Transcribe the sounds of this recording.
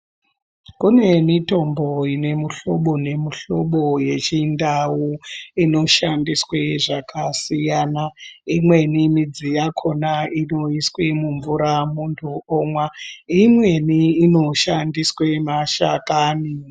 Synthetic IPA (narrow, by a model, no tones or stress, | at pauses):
kune̞mito̞mbo̞ine̞muɬo̞ɓone̞muɬo̞ɓo̞je̞t͡ʃindawuino̞ʃandisweʐakʰasijanaimwe̞nimid͡zijakʰo̞naino̞iswemuɱvuɾamuntʰuomwaimwe̞niːno̞ʃandiswemaʃa̰kani